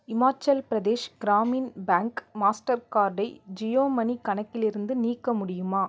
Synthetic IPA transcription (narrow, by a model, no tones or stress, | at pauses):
ɪmaːt͡ʃɐlpɪɾɐd̪eːʃɡ̥ɪɾaːmiːnbaːŋkmaːsʈɐɾkaːɾɖɐɪd͡ʒɪjoːmɐnikɐɳɐkːɪlɪɾɯnd̪ɯniːkːɐmʊɽɪjɯmaː